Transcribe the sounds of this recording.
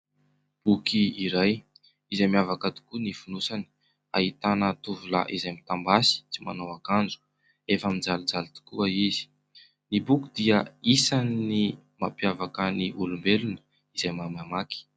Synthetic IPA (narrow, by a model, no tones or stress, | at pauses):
b̥ukiːɾaj | izamiavakət̪u̥kunifunusani̥ | a̰ɦit̪anət̪uvula̰ʔizamit̪ambasi̥t͡sima̰nowakand͡zu̥ | efamind͡zalud͡zalit̪i̥kuaizi̥ | nibukud̪iəisanːi | mapjavakəniʔulumbelunə̥ | izajmamamaki̥